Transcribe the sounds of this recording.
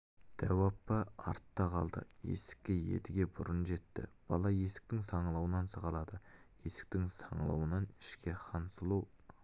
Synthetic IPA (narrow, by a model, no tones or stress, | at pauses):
d̪̥æwɑpːɑɑ̰ɾt̪ːɑqʰɑ̰lˠd̪ə̰je̞̰sɪ̥kʲːɪje̞̰t̪ɪɡʲe̞bʊɾənʒe̞t̪ːɪ̰b̥ɑlˠɑje̞sɪ̥k̚t̪ɪŋsɑɴəlˠɑwənɑnsəʁɑlˠɑd̪ə | je̞sɪ̥k̚t̪ɪŋsɑɴəlˠɑ̰wənɑnɪ̥ʃkʲe̞qʰɑnsəlˠuw